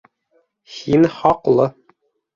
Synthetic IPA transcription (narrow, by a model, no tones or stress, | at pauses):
hinχɒqlˠɤ